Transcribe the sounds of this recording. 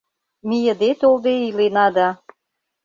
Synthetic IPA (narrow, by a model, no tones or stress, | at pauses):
mijəd̪et̪old̪eilenɑd̪ɑ